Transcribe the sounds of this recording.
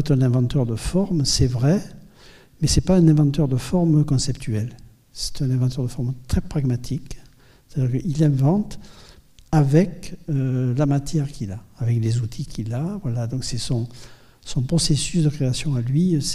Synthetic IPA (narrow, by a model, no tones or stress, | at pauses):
ɛt̪ɛ̃nɛ̃vɑ̃t̪œʁd̪əfɔʁmsɛvʁɛ | mɛsɛpaɛ̃nɛ̃vɑ̃t̪œʁd̪əfɔʁmkɔ̃sɛpt̪ʰyɛl | sɛ̥t̪ɛ̃nɛ̃vɑ̃t̪œʁd̪əfɔʁmt̪χɛpχaɡmat̪ʰik | sɛ̥t̪ad̪iʁkəʔilɛ̃vɑ̃t̪ | avɛkølamat̪jɛʁkilaːvɛklezut̪ʰikʰʲilavwalad̪ɔ̃ksɛsɔ̃ | sɔ̃pχɔsesysd̪əkχeasjɔ̃alɥis